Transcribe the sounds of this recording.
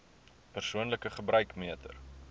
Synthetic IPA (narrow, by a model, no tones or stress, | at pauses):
pərsuənləkəχəbrœɥkmiətə̰r